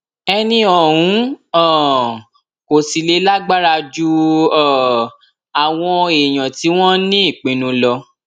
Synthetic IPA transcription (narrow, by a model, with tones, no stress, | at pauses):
ɛ˧nĩ˧ɔ˨ɾũ˨˦ɔ˦˨ | ko˨si˨le˨˧˦la˦ɡ͡ba˦ɾa˧d͡ʒu˦ɔ˦˨ | a˨w̃ɔ̃˧e˨j̃ɔ̃˨ti˨˦w̃ɔ̃˦nĩ˦i˦˨k͡pĩ˨˦nũ˧lɔ˧